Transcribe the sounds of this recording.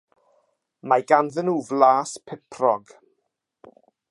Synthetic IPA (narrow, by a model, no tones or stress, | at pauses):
majɡanðənuːvlaːspʰɪpʰrɔɡ̥